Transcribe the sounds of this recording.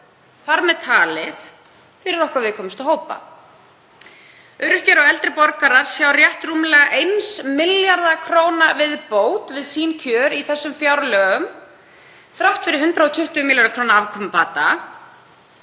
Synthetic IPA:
θaɾmɛðt̪ʰaːlɪθ | θɪɾɪɾɔhkvaɾvɪðkʰɔːmʏst̪aɦoːwpa̰ | ʏɾhcaɾɔɣɛlt̪ɾɪpɔɾkaɾaɾ̥sjawrjɛht̪ruːmɪlɛɣaʔejnsmɪljaɾðakʰɾoːwnavɪðpoːwt̪vɪðsiːncʰœːɾiθɛsːʏmfjawɾlœɣʏm | θɾawht̪fɪɾɪɾɦʏnt̪ɾaɔt̪ʰʏht̪ʏmɪljaɾðakʰɾoːwnaavkʰɔmpaːt̪a

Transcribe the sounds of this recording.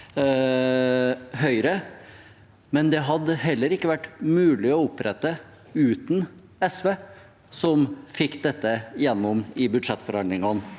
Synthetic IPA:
ɦœʏɾə | mɛnd̪ɛɦɑd̪ːəɦɛlːəɾɪkːəʋæʈːmʉːlɪɔʊpːɾʔɛt̪ːə | ʉːt̪n | ɛsʋeː | sɔmfɪkːd̪ɛt̪ːəjɛnːɔmɪbʉd̪ʂɛt̪ːfɔɾɑnd̪lɪŋɑn

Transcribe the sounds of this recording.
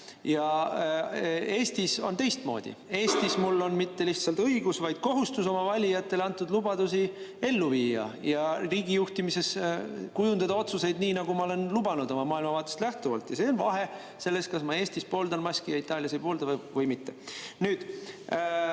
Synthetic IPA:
jɑ | e̞ːst̪iso̞nt̪e̞jst̪mo̞̰ːd̪̥ḭe̞ːst̪ismulːo̞nmit̪ːe̞liht̪sɑlt̪ɤiɡusvɑjd̪̥̚ko̞ɦust̪uso̞mɑvɑlʲijɑt̪ˑːe̞leɑnt̪ːˑud̪lubɑd̪usi | e̞lːuviːjɑ̰jɑriːɡ̥ijuht̪imise̞skujund̪ɑd̪ɑo̞t̪suse̞jd̪niːnɑɡ̥umɑole̞nlubɑnud̪o̞mɑmɑːilmɑvɑːt̪ːˑest̪læht̪uvɑlt̪jɑseːonvɑɦe̞ | se̞lːest̪kɑsmɑe̞ːst̪ispo̞ːld̪ɑnmɑskijɑit̪ːˑɑːlʲjɑsejpo̞ːld̪ɑvvɤjmit̪ːe̞nyːd̪̥

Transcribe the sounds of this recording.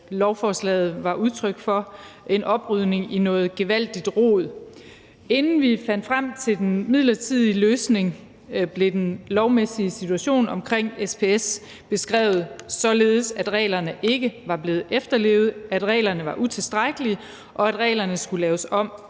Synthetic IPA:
lɒʊfɒːslɛ̰ːð̞̩ˠʋɑ̈ʔuð̞ˠt͡sʰʁœɡ̥fɒ̽e̝nʔɒ̽b̥ʁyðˠne̝ŋinɔ̽ːð̩ˠɡ̥e̝ʋæl̰d̥id̥ʁo̰ːð̞̰ˠ | e̝nn̩ʋifæn̰d̥fʁam̰t͡sʰe̝d̥enmið̰ˠlɐt͡sʰið̞̰ˠiløːsne̝ŋ | b̥le̝d̥enlɒʊmesiəsit͡sʰuæɕo̝̰ːnɒ̽mkʰʁeŋ̰espʰe̝es | b̥e̝sɡ̥ʁɛ̰ːʊð̩ˠsɒ̽le̝ːð̞ˠsæd̥ʁɛ̰ːlɐnəʔe̝ɡ̥əʋɑ̈b̥le̝ːð̩ˠefd̥ɐle̝ːʊð̞̩ˠæd̥ʁɛ̰ːlɐnəʋɑ̈ʔut͡sʰe̝sd̥ʁaɡ̥əli | ʔɒ̽æd̥ʁɛ̰ːlɐnəsɡ̥ulɛːʊsɒ̽m̰

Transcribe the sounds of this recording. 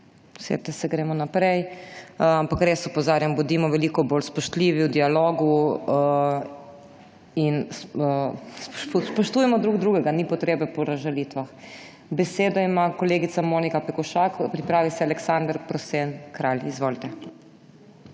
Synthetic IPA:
sḛt̪ɛsɛɡɾemɔnapɾɛj | ampakɾeːsɔpɔzaːɾjambɔd̪iːmɔʋɛlikɔbolspɔʃt̪liʋiwd̪ialoːɡu | in | sspɔʃt̪uːjɛmɔd̪ɾuɡd̪ɾuːɡɛɡanipɔt̪ɾeːbɛpɔɾaʒalit̪ʋax | bɛseːd̪ɔimakɔleːɡit̪samoːnikapɛkɔʃakpɾipɾaːʋisɛalɛksand̪ɾpɾɔsenkɾalʲizʋolt̪ɛ

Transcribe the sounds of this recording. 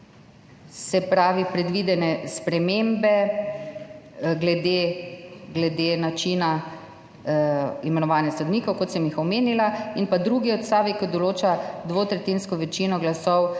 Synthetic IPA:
sɛpɾaːʋipɾɛd̪ʋid̪ɛnɛspɾɛmembɛ | ɡlɛd̪e | ɡlɛd̪enat͡ʃina | imɛnɔʋaːnjasod̪niːkɔwkɔt̪sɛmixɔmeːnilainpad̪ɾuɡiɔt̪st̪aːʋikɔd̪ɔloːt͡ʃad̪ʋoːt̪ɾɛt̪iːnskɔʋɛt͡ʃinɔɡlasɔw

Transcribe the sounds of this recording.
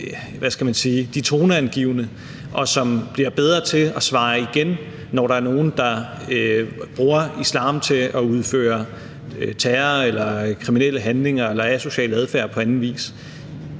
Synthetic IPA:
ʋæsɡ̥æmænsiːd̥it͡sʰo̝ːnəænɡ̥iʊnə | ʔɒ̽sɒ̽mb̥liɐb̥eð̞ˠʁɐt͡sʰe̝ɒ̽sʋɑ̈ːiɡ̥enː | ɒɾɑ̈æɐno̝ːn̩d̥ɑ̈ | b̥ʁuːɐislɑ̰̈ːmt͡sʰe̝ʔɒ̽uð̞ˠfø̰ːɐ | t͡sʰæɐelɐkʰʁiminel̰əɦænle̝ŋɐelɐæso̝ɕɛ̰ːləæð̞ˠfæɐpʰɒ̽ænn̩ʋḭːs

